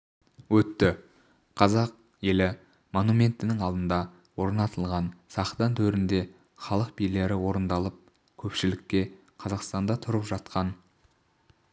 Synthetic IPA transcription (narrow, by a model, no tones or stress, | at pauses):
wɵt̪ːɪ | qʰɑzɑq̚ | je̞lɪ | mo̞numʲe̞nt̪ɪnɪŋɑlˠd̪ənd̪ɑ | wo̞ɾnɑt̪əlˠʁɑnsɑχd̪ɑnt̪ʰɵɾɪnd̪e̞ | χɑlˠəq̚bijle̞ɾɪwo̞ɾənd̪ɑlˠəp̚ | kʲʰɵpʃɪlɪkʲːe̞ | qʰɑzɑqst̪ɑnd̪ɑt̪ʰʊɾəpʒɑt̪qʰɑn